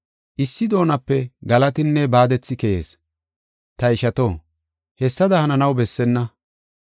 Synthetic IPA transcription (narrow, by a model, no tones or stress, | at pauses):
ʔɪsːɪd̪o̞ːnɐpːɛɡɐlɐt̪ɪnːɛbaːd̪ɛt͡sːɪkɛjḛːs | t̪ɐɪʃɐt̪oː | hɛsːɐd̪ɐhɐnɐnɐwbɛsːɛnːɐ